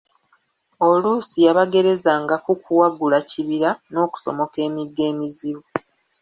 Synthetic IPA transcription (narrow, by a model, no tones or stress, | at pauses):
o̞lusijaβaɡe̞ɾe̞zaŋɡakukuwaɡulaciβiɾano̞ːku̥so̰mo̞ke̞ːmiɡe̞ːmiziβu